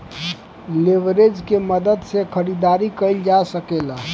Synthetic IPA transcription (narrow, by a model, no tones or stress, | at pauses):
leʋɾed͡ʒkeməd̪əd̪sekʰəɾid̪aɾikəɪld͡ʒasəkela